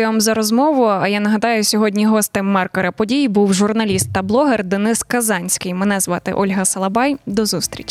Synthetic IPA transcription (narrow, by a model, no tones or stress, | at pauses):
amzɐɾɔzmɔʋʊɐjanɐɦɐd̪ɑjʊsʲɔɦɔdʲnʲiɦɔst̪ɪmːɑrkɔɾɐpɔdʲijibuwʒʊrnɐlʲist̪ːɐblˠɔɦerd̪enɪskɐzɑnʲsʲkɪjmɛnɛzʋɑt̪ɪ̰ʔɔlʲɦɐsɐlˠɐbɑjd̪ɔzust̪ɾʲḭt͡ʃ